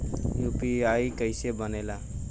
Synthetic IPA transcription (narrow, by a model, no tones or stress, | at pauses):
juːpiaːikəɪsebəneːlaː